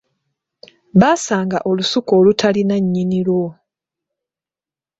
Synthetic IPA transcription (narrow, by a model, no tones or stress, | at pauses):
βaːsaːŋɡaʔo̞lusuko̞ːlutʰalinaɲːinilwo̞